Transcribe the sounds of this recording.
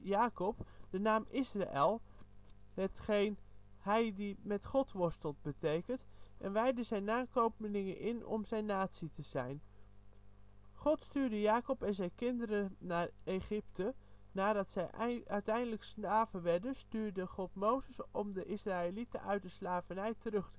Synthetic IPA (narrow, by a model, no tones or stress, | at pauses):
jaːkɔpd̥ənaːmɪsra̰ʔɛlˠ | ɦətχejn | hɛjdimɛtχɔtʋɔɹstəlˠt̚bətejkəntʔɛnʋɛjdəzɛjnːaːkowpənɪŋə̰nʔɪnɔ̰mzɛjnːaːtsitəz̥ɛjn | χɔtstyːɹdəjaːkɔpɛnzɛjnkɪndəɾənaːreχɪptənaːdɑtsɛjœɥtɛjndələksnaːvəʋɛɹdənstyːɹdəχɔtmowzəsɔmdəʔɪsraːelitə̰ʔœ̰ɥt̚dəslaːvənɛjtərɵχtə